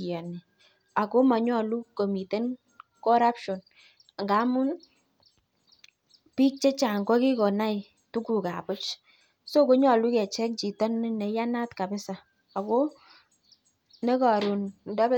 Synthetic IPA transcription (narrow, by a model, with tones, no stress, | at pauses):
ɛ˨ni˨ | a˨ko˦ma˨ɲɔ˦˨lu˦ko˨mi˨te˦n | kɔ˦ɾa˦pʃɔ˨n | a˨ŋɡa˨˦mu˦n | pi˦k̚t͡ʃe˦t͡ʃa˨ŋɡɔ˦ki˦ko˨na˦i˨ | tu˦ku˨ka̰˨pʊ˦t͡ʃ | so˦ko˦ɲɔ˨lu˦kɛ˨t͡ʃɛ˦k̚t͡ʃi˨tɔ˦n˦ne˨ja˦na˦tka˨bɪ˦saː˨ | ko˦ | ne˦ka˨ɾu˨nnda˦b